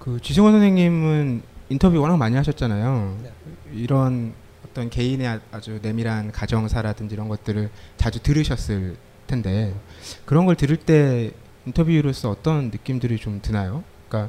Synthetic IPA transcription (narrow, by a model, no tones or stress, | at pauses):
kɯt͡ɕisʰɯŋwʌnsʰʌnʰeŋɲimɯnintʰʌbjuiwʌnakmaɲiɦaɕʰʌt̚t͡ɕ͈anajo | iɾʌn | ʌt͈ʌnke̞ine̞ad͡ʑune̞miɾɦankad͡ʑʌŋsʰaɾadɯnd͡ʑiɾʌnɡʌt̚t͈ɯɾɯɭt͡ɕad͡ʑutɯɾɯɕʰʌs͈ɯɭ | tʰe̞nde̞kɯɾʌnɡʌɭtɯɾiɭt͈e̞ | intʰʌbjuɾos͈ʰʌʌt͈ʌnːɯk͈imdɯɾit͡ɕomtɯnajo | k͈a